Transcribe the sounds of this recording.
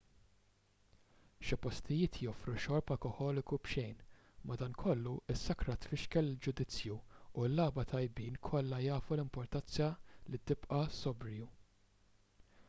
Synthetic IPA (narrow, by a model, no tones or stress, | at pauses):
ʃɪpɔst̪ʰɪjɪːt̪jɔfɾuʃɔɾpɐkɔħɔːlɪkubʃɛjn | mɐd̪ɐnkʰɔlːuʔɪsːɐkɾɐt̪fɪʃkɛlːɪld͡ʒʊd̪ɪt͡sjuːlːɐːbɐt̪ʰɐjbiːnkʰɔlːɐjɐːfulɪmpɔɾt̪ɐnt͡sɐlit̪ɪpʔɐsɔbɾɪju